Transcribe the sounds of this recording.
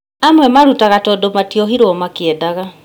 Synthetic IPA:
amwɛmaɾutaɣatɔdomatiɔɦiɾoɔmakeɛdaɣa

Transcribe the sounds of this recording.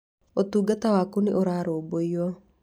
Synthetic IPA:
ɔt̪uɡat̪awakuniʔɔɾaɾobɔiɔ

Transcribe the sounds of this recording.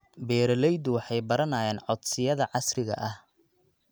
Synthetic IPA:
bɛːɾɐlɛjd̪ʊwɑħɑjbɐɾɐnaːjɛːnʕɔd̪sɪjɐðɐʕɑsrɪɣɐ̰ʔɐh

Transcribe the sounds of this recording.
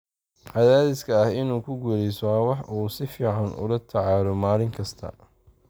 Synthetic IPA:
ʕɑðaːðɪskʰɐːhɪnuːkʰʊɡulɛjsɔwwɑħʔuːsɪfiːʕɑnʔʊ̰lɐt̪ʰɑʕɑːlɔmaːlɪŋkʰɐst̪ʰɐ̰

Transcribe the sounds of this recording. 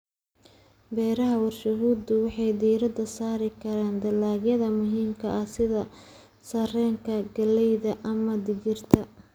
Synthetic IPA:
bɛːɾɐɦɐwɑrʃɐɦuːd̪ʊwɑħɑjd̪iːɾɐd̪ɐsaːɾɪkʰɐɾaːnd̪ɐlaːɡjɐðɐmʊɦiːmkʰɐʔɐsɪðɐ | sɐrɛːŋkʰɐɡɐlɛjðɐʔɐmɐd̪ɪɣɪrt̪ʰɐ

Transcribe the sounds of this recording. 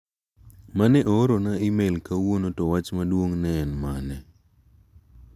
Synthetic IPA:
manɛʔoɾonaimelkawonotɔwat͡ʃmadwoŋnɛːnmanɛ

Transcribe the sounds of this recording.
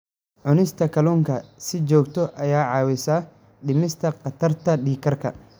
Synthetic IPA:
ʕʊnɪst̪ʰɐkʰɐlɔːŋkʰɐsɪt͡ʃɔːkt̪ʰɔʔɐjaːʕɑːwɪsaː | ɖɪmɪst̪ʰɐqɑt̪ʰɐrt̪ʰɐɖiːkʰɐrkʰɐ̰

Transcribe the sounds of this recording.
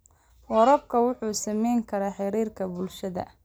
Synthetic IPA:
wɔɾɔb̚kʰɐwʊħuːsɐmɛjŋkʰɐɾaːħɪɾiːrkʰɐbʊlʃɐðɐ̰

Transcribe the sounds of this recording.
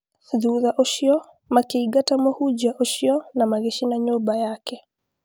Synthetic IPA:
ðuðaʔoʃiɔ | makeiɡatamohud͡ʒaʔoʃiɔnamaɣeʃinaɲobajakɛ

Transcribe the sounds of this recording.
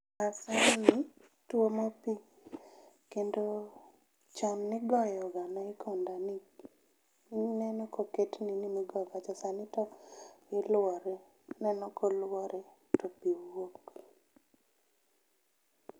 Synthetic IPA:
asani | twomopi | kendo | t͡ʃamnɪɡɔjɔɡanaɪkʰondani | nɛnɔkoketninimiɡɔɡat͡ʃasanɪtɔɪlwɔɾɛ | nɛnɔkolwɔɾɛ | topiwok

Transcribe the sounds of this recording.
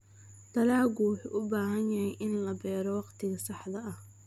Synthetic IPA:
d̪̥ɐlaːɣuwʊħuʔʊbaːɦɐnjɐhɛjʔɪnlɐbɛːɾɔwɑqt̪ʰɪɣɐsɑħd̪ɐɐh

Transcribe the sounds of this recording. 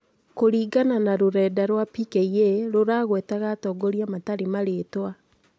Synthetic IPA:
koɾiːɡananaɾoɾɛːdaɾwapikeieɾoɾaːɣwɛːtaɣatɔːɡoɾiamataɾemaɾetwa

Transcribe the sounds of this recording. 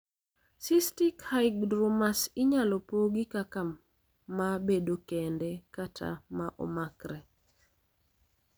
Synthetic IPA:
sistikhajɡdɾɔmasɪɲalɔpoɡikaka | mːabedokendɛkatʰa̰maʔɔ̰makɾɛ

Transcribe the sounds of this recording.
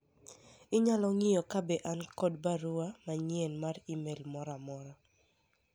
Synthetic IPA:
ɪɲalɔŋijɔkabeʔankɔdbaɾuamaɲenmaɾimelmɔɾamɔɾa

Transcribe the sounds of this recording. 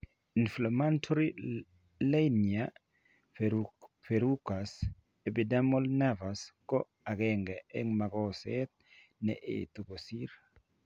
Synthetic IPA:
inflamantʰoɾi | lenia | feɾukas | ebidamolnɛvaskɔ | aɡɛŋɡɛɛŋmaɡɔsɛt̪̚ | nɛ̰ʔḛt̪obosiɾ

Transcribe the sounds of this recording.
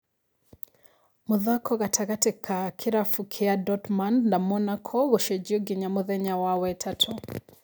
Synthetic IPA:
muðakʰɔɣatʰaɣatɛkʰakʰiɾafukʰɛadɔtmandnamɔnakʰɔɣɔʃɛd͡ʒiɔɡiɲamuðɛɲawawɛtʰatʰɔ

